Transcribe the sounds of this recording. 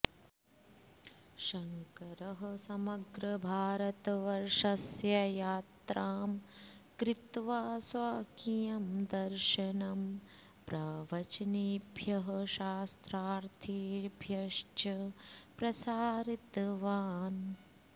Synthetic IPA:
ʃɐŋkɐɾɐɦɐ̆sɐmɐɡɾɐbʱaːɾɐt̪ɐʋɐɾʂɐsjɐjaːt̪ɾaːmkɾit̪ʋaːsʋaːkijɐmd̪ɐɾʃɐnɐm | pɾɐʋɐt͡ʃɐniːbʱjɐɦɐʃaːst̪ɾaːɾt̪ʰiːɾbʱjɐʂt͡ʃɐpɾɐsaːɾit̪ʋaːn

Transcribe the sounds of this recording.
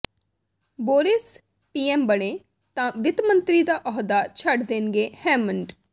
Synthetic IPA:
boːɾɪs | piːɛːmbəɽ̃eː | t̪ãːʋɪt̪mə̃nt̪ɾid̪aːʔɔɦd̪aːt͡ʃʰəɖd̪eːnɡeːhɛːmə̃ɳɖ

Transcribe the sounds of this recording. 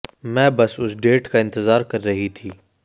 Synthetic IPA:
mɛ̃ːbɐsʊsɖeːʈkʰaɪ̃nt̪ɪzaːɾkɐɾːɐɦit̪ʰiː

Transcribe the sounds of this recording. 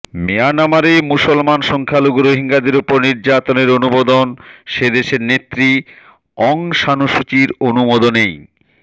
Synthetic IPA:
meanamaɾemusolmanʃɔŋkʰaloɡɾoɦiŋɡad̪eɾupoɾniɾd͡ʑat̪oneɾonubod̪onʃed̪eʃeɾnet̪ːɾi | ɔŋʃanoʃut͡ɕiɾonumod̪onej

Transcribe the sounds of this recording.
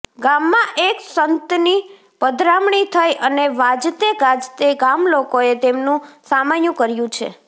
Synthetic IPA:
ɡamːãʔeksənt̪ni | pəd̪ʱɾamɳit̪ʰəjʔəneʋad͡ʒt̪eɡãd͡ʒt̪eɡamlokoet̪emnũsamanjũkəɾjũt͡ʃʰḛ

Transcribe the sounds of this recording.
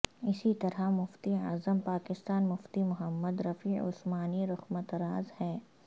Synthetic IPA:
ɪsit̪ɐɾamʊft̪ia̰ːzəmpaːkɪst̪aːnmʊft̪imʊɦəmːəd̪ɾɐfiːʊ̰smaːniɾʊxmət̪ɾaːzhɛː

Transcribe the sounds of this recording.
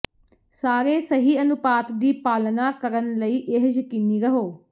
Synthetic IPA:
saːɾeːsəɦiːənʊpaːt̪d̪iːpaːlnaːkəɾənləiːʔɪɦd͡ʒəkiːniːɾəɦoː

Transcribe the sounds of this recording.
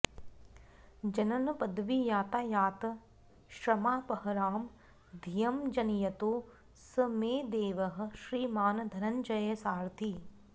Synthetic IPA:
d͡ʒɐnɐnɐpɐd̪ʋijaːt̪aːjaːt̪ɐ | ʃɾɐmaːpɐɦɐɾaːm | d̪ʱijɐmd͡ʒɐnijɐt̪uː | sɐmeːd̪eːʋɐɦɐ̆ʃɾiːmaːnd̪ʱɐɾɐɲd͡ʒɐjɐsaːɾt̪ʰi

